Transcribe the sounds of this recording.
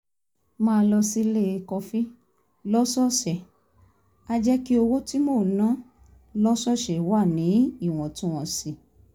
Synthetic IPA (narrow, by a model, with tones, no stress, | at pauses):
mãː˦˧lɔ˧si˦le˦˨˧kɔ˧fi˦ | lɔ˦sɔ˦ʃɛ˨ | a˧d͡ʒɛ˦ki˦o˧wo˦ti˦mo˦˨nã˦ | lɔ˦sɔ˦˨ʃɛ˨wa˦˨nĩ˨˦i˦˨w̃ɔ̃˨tĩ˦w̃ɔ̃˧si˧˨